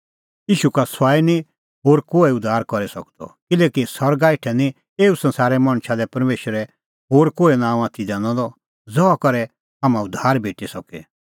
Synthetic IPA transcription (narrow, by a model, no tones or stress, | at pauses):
jiːʃukasaːini | ɦoːɾkoːɛʊd̪ʱːaːɾkɔɾɛsɐk̚d̪ɔ̰kɪlɛːkisɔɾɡaɪʈʰɛnĩ | eːusɐ̃nsaːɾɛmɐɽ̃ʃalɛpɐɾmeːʃəɾɛ | ɦoːɾkoːenãːũaːt̪ʰid͡ʒãːñɔ̃d̪ɔ | d͡zɔakɔɾɛ | amãʊd̪ʱaːɾbʱeːʈisɔkɛ̰